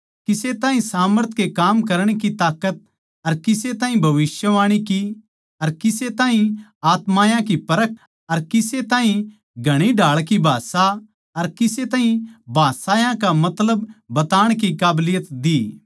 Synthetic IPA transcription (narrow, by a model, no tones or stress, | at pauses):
kɪset̪ãːɦĩsaːməɾt̪ʰkekaːmkɐɾɽ̃ekit̪aːkət̪̚ | ɐɾkɪset̪ãːɦĩbʱɐʋɪsjəʋaːɽ̃iki | ɐɾkɪset̪ãːɦĩaːt̪maːjãkipɐɾək̚ʰ | ɐɾkɪset̪ãːɦĩ | ɡʱɐɽ̃iɖʱaːɭkibʱaːsa | ɐɾkɪset̪ãːɦĩbʱaːsaːjãkamɐt̪ləbːɐt̪aːɽ̃kikaːblɪjət̪d̪iː